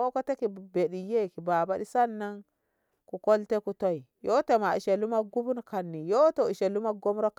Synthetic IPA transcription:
o˦ko˦te˦ki˨be˨ɗi˨je˦˨ki˨ba˨ba˦di˦sa˦nːa˦ŋ | ku˨ko˦lte˦ku˨to˦i˨ | jo˦te˨ma˨ḭ˨ʃe˨lu˦ma˦ɡu˦bu˦nka˨nːi˨jo˦to˨i˨ʃe˨lu˦ma˦ɡo˦mɾo˦k

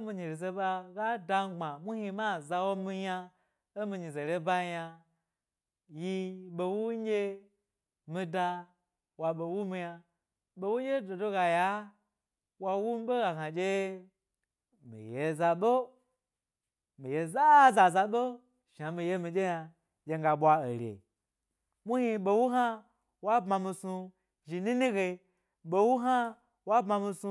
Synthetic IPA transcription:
mi˧ɲi˨ɾi˨ze˧ɓa˧ɡa˦da˧˦ɡ͡ba˨mʷu˦hi˧ma˦˨za˧wo˦mi˧ɲa˧ | o˦mi˧ɲi˨ze˨ɾe˦ba˦ja˧ | ji˧ɓe˧wu˦ɡʲe˦ | mi˧da˧ | wa˧ɓo˧wu˦mi˧ja˧ | ɓo˧wu˦e˦do˨do˦ɡa˨ja˨˦ | wa˧wu˦m˦ɓo˦ɡa˨ka˨d͡ʒʲe˦ | mḭ˨je˨za˧ɓo˦ | mi˨je˧za˦za˧za˧ɓo˦ | ʃa˨mi˨˧je˦˧mi˧d͡ʒe˦ja˧ | jʲe˧ŋ˦ɡa˧ɓʷa˧o˨ɾʲḛ˨ | mu˦hi˧ɓo˧wu˦ɦa˦ | wa˦bma˧mi˧su˧ | ʒi˨ni˦ni˦ɡe˧i˧ | ɓo˨wu˦ɦa˦ | wa˦bma˧mi˧su˧

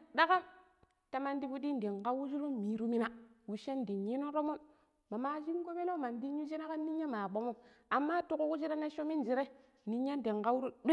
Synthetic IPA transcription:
da˦ka˦ | ta˨ma˦ndi˦bu˦di˦n˨di˨ŋka˦wu˦d͡ʒi˦ɾo˦mi˨ɾu˦mi˦na˨wu˨ʃe˦n˨di˨ɲi˦no˦ɾo˦mo˦ | ma˨ma˦d͡ʒi˦ŋ˦ɡo˦be˦lo˦ma˨ndi˦ɲːu˦d͡ʒi˦na˦ka˦nːi˦ɲːa˦ma˨ɓo˨˦mo˦ | a˨mːa˦tu˦ku˦ku˦d͡ʒi˦ɾa˦na˦ʃo˦mi˦n˨d͡ʒi˨ɾe˦ | ni˦ɲːa˦nde˨ŋka˦wu˦ɾu˦ɗ

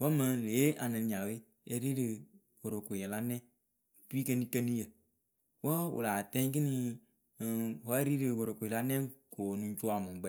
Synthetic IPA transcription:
wɔ˦mə̃˨˧leː˨˦ʔa˨nɨ̃˨n˨ɲa˨we˦ | e˧ɾi˦ɾɨ˨ | wo˨ɾo˨ko˨jɛ˨la˦nɛ̃˦˨ | pi˦kə˧nĩ˦kə˧ni˦jə˨ | wɔ˦wṵ˨la˨tɛ̃˦k̬ɨ˦ni˧˨ | wɔ˦e˦ɾi˦ɾɨ˨wo˨ɾo˨ko˨ɛ˨la˦nɛ̃˦ŋ˦ko˨nũ˦t͡ʃu˦a˨mũ˨ɡ͡bɛ˦

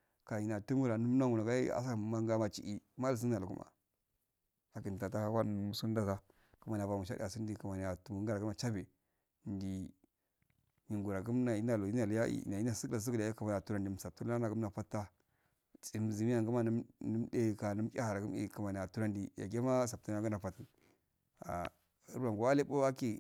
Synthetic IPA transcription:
ka˨i˨na˨tu˦mu˦ɾa˨nu˦m˦na˦ŋu˨na˨ɡa˦a̰˦sa˦˨˦ma˦ŋ˦ɡa˦ma˦t͡ʃḭ˨ʔi˦ma˦ls̬i˦a˨lu˨ku˦ma̰˨ | a˨ki˨n˨ta˨ta˦a˦wa˦˨mu˨su˦n˦da˦za˦ | ku˨ma˨n˨a˨va˨mu˨ʃ̬a˦ḭ˦˨a˨si˦n˦di˨ku˨ma˨n˨a˨tu˨mu˨˦ɡa˦ɾa˨ɡu˦ma˨t͡ʃa˦be˨ | ndi˨ | ɲi˨ŋɡu˨ɾa˨ɡu˦mna˨i˦na˨lu˨i˦na˨li˦ja̰˦ḭ˨na˨i˦na˨si˦ka˨s̬ə˦ku˦˨a˨˦kə˨ma˨n˨a˨tu˦ɾa˦ndi˨sa˨p̚tu˦a˦na˨ɡu˦mna˨fa˦tːa˦ | t͡si˨m˨zi˨mi˦ja˦ŋɡu˦ma˦n˦nə˦mde˦ka˨nu˦m˦kʲa̰˦ha˨ɾa˨ɡm˦ḭ˨kə˨ma˨n˨a˨tu˦ɾa˦ndi˨ja̰˨ɡe˦ma˦s̬a˨p̚tu˦n˦a˦ɡu˦na˨fa˨ti˨ | a̰˨ | ə˦ɾba˨ɡa˦le˦o˦a˦ki˦

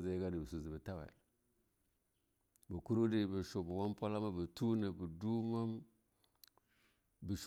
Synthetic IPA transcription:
ze˨˦ɡa˦di˨bi˨su˨zi˨bə˨ta˦wa̰˨ | bə˨ku˦ɾu˦di˦˨bi˨ʃo˨bwa˦m˦po˦la˦ma˦bə˨tu˦ne˨bi˨du˦ma˦m | bi˨ʃ

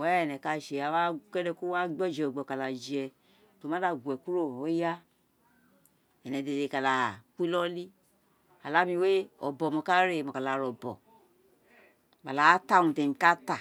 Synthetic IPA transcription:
wɛ˨˦ɛ˨nɛ˨ka˧ʃe˨a˨wa˦kɛ˦dɛ˧ku˦a˦ɡ͡bɔ˦˨d͡ʒɛ˨ɡ͡bɔ˨ka˨la˨d͡ʒi˨ɛ˧ | to˨ma˦da˧ɡʷɛ˨ku˦ɾo˦˨o˦ja˦ | ɛ˨nɛ˨de˨e˨˧˨ka˨la˨kʷi˦lɔ˦li˦ | a˨la˦mi˧we˦ɔ̰˨bɔ˨mɔ˧ka˦ɾe˦˨mɔ˨ka˨la˨ɾɔ˨bɔ̰˨ | ba˨la˨˦ta˦˨ũ˨tɛ˨mi˨ka˦ta˦˨

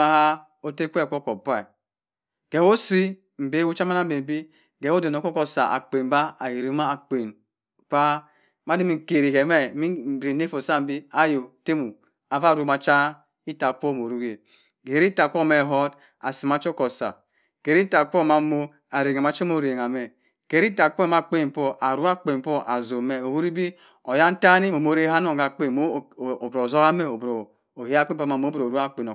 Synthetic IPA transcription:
a˦ha˦ | o˦te˦kʷɛ˦˨ko˦ko˨ba˦˨ | ɡ̥ɛ˨wo˦si˦ | m̩˨be˦wu˦t͡ʃa˦ma˦na˦m˦be˨m˨bi˦ | ɡɛ˨˦o˦de˨no˨ko˦kɔ˦sa̰˨a̰˨k͡pe˨n˨ba˦a˨ji˨ɾi˨˦ma˦a˨k͡pe˨n | pa˦ | ma˦di˦mi˦˨ke˨ɾi˨ɡɛ˨mɛ˦˨mi˦˨be˨ne˦fo˨sa˦˨bi˦a˦jo˨te˦mu˨ | a˨va˦˨ɾu˨ma˨t͡ʃa˦ | i˦ta˨kʷo˦˨m˨o˨ɾu˦ɡe˨ | ɡe˨ɾi˦ta˨kʷo˦˨me˨ɦɔ˦d | a˨si˨ma˨˦t͡ʃo˦ko˨sa̰˨ | ke˨ɾi˦ta˨kʷo˦˨ma˨˦mo˦ | a˨ɾe˨ŋa˨m˨a˨t͡ʃo˦mo˦˨ɾe˨ŋ˨a˨me˨ | ke˨˦ɾi˦ta˨k͡po˦ma˨k͡pe˦˨m̩˨˦po˦ʔa˨ɾu˦a˦k͡pe˨po˦ʔa˨zo˨me˦˨o˨hu˦ɾi˦bi˦ | o˨ja˦n˦ta˦ni˦mo˨mo˨˦ɾe˦ɦa˦no˦˨ɡa˨k͡pe˦˨m˦˨o˨bɾo˨zo˦ka˦me˦o˨bɾo˨ | o˨he˦a˦k͡pe˦pma˨mo˦bɾo˨ɾu˦a˦˨k͡pe˨no˨

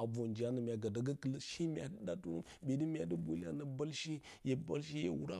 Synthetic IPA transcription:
a˨bo˨nd͡ʒi˨a˦nə˨mʲ˨a˨ɡa˨da˨ɡə˦kə˨lə˦ʃi˦mʲ˦a̰˨də˦da˨tu˦ɾu˦m˨be˨di˦mʲ˦a̰˨də˦bo˨li˦a̰˦nə˨ba˦lʃi˦ | je˨ba˦lʃ̬i˦jḛ˨wu˦ɾa̰˦

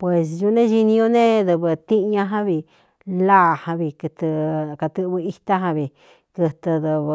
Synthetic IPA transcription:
pwe˨s̬ju˧nẽ˦ʒi˧nĩ˧jo˧nẽ˦ðɨ˧βɨ˧t̪i˦ʔɲã˧ɦã˦βi˧ | la˦˨hã˧βi˧kɨ˧t̪ɨ˧ka˧t̪ɨ˧ʔβɨ˧i˧t̪a˦ɦã˧βi˨ | kɨ˧t̪ɨ˧ðɨ˧β

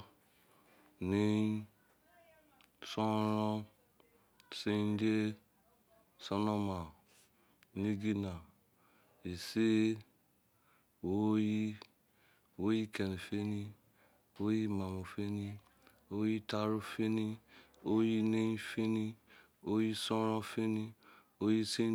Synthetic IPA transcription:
ne˦ | so˦ɾɔ˦ | se˦de˦ | so˦no˦ma˨ | ni˦ɡi˦na˨ | e˨se˦ | wo˦ji˦ | wo˦ji˦ke˨ni˨fe˦ni˦ | wo˦ji˦ma˨mo˨fe˦ni˦ | o˦ji˦ta˦ɾu˦fe˦ni˦ | o˦ji˦ne˦i˦fe˦ni˦ | o˦ji˦sɔ̃˦ɾɔ̃˦fe˦ni˦ | o˦ji˦si˦

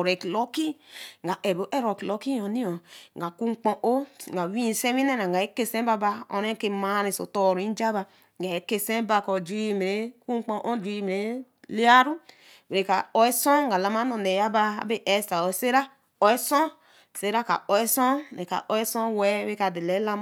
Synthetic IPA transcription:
ɾe˨ki˨lo˦ki˦ŋɡa˨ʔe˨bo˨˦ʔe˦ɾo˨ki˨lo˦ki˦jo˨ni˦o˨ŋɡa˨ku˦ŋ͡mk͡põ˨ʔo˦ŋɡa˨wi˦˨se˦wi˦ne˦na˨ŋ˨ɡa˨e˦ke˦sẽ˦ba˦ba˨o̰˨ɾe˦ke˦ma˦ɾi˨so̰˨to˨ɾi˦d͡ʒa˦ba˨ | ɡa˨e˨˦ke˦sẽ˦ba˨ko˨d͡ʒi˦˨m˨ɾe˨˦ku˦k͡põ˦ʔo˦d͡ʒi˦˨m˨e˨˦ | li˦a˦ɾu˦ | we˨ɾe˨ka̰˨o˦e˦sɔ̃˦ŋɡa˨la˨ma˦no˨ne˨ja˦ba˦a̰˨be˦ʔɛ˨sta˨o˨se˦ɾa˦ | o˨e˦sõ˦˨ | se˦ɾa˦ka̰˨o˨e˦sõ˦˨e˨ka̰˨ʔo˨˦e˦sõ˦wɛ˦e˦ka˨de˨le˨˦la˦m

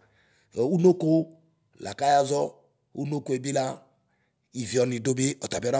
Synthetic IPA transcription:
ɔ˨u˦no˦ko˦ | la̰˨ka˦ja˦zɔ˦ | ṵ˦no˦ko˦e˨bi˦la˦ | i˨vi˨ɔ˨ni˨do˦be˦ɔ˨ta˨bi˦ɾa˦

